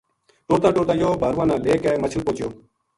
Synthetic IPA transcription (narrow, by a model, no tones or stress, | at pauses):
ʈoːɾt̪ãːʈoːɾt̪ãːjoːbʱaːɾuʋãːnãːleːkɛːmət͡ʃʰulpoːt͡ʃjoː